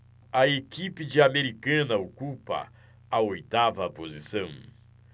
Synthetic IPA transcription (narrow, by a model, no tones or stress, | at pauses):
ɐekipɪd͡ʒɪameɾikɐ̃nɐokupɐ̰ | ɐojt̪avɐpozisɐ̃w̃